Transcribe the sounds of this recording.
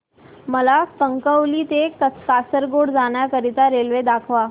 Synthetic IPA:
məlakəŋkəwlit̪ekəkasəɾɡoɽd͡zanjakəɾit̪aɾelʋed̪akʰʋa

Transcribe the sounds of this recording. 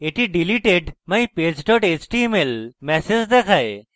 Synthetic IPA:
eʈiɖiliʈeɖmɐĩpeːd͡ʑʈoʈet͡ʃʈimelmɛsed͡ʑd̪ekʰae

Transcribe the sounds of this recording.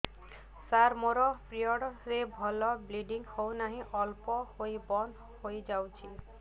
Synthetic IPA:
saɾmoɾɔpɾiɔɽɾebʱɔlɔbliɖiŋɡhownaɦĩʔɔlpɔhojbɔn | hojd͡ʒawt͡ʃʰi

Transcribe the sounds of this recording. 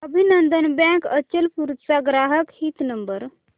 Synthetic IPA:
əbʱinənd̪ənbjãŋkət͡ɕəlpuɾutsaɡɾaɦəkhiːt̪nəmbəɾ

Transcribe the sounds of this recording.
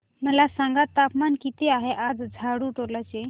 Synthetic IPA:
məlasãŋɡat̪ːapmankit̪eaɦeʔad͡zd͡zʱaɽuʈoɾlat͡ɕe

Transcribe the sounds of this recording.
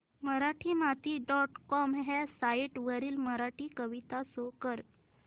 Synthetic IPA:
məɾaʈʰiːmat̪iːɖɔʈkɔmɦɛsaiʈʋəɾiːlməɾaʈiːkəʋit̪asokəɾ

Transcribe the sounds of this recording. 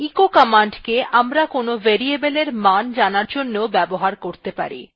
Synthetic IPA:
ikokamaɳɖkeʔamɾakonoveɾiebeleɾmand͡ʑanaɾd͡ʑonːeobɛboɦaɾkoɾt̪epa̰ɾḭ

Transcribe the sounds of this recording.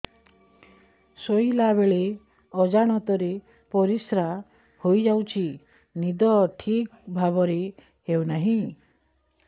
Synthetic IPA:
sojlaβeɭe | ɔd͡ʒaɽ̃ɔt̪ɔɾe | pɔɾisɾa | hojd͡ʒawt͡ʃʰi | nid̪ɔʈʰikbʱaβɔɾe | hewnaɦĩ

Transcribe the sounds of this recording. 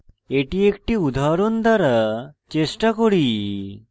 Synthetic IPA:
eʈiekʈiud̪ʱaɾond̪ʱaɾat͡ɕesʈakoɽi

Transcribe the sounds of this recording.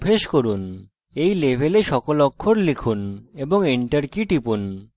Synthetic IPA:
pʰeʃkoɾun | ejlebʱeleʃɔkolɔkʰːoɾlikʰuneboŋiɳʈaɾkiʈipun

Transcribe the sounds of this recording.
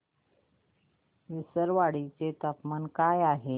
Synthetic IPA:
ʋisəɾʋaɽit͡set̪apmankajaɦe

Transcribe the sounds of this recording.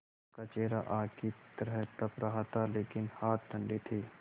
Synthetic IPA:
kat͡ʃeːɾaʔaːkit̪ɾɛt̪ɐpɾɐɦat̪ʰaleːkɪnhaːt̪̚d̪ʱə̃ɳɖit̪ʰiː

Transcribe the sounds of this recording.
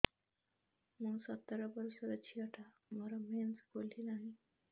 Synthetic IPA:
məsət̪ːɾabəɾsəɾət͡ɕʰiəʈʰa | məɾamẽnt͡sbolinaɦi

